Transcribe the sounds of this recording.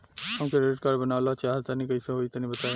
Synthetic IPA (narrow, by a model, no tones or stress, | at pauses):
həmkeɾeʈkaɾɖbənawlat͡ʃaɦt̪anikəiseɦojt̪ənibət̪a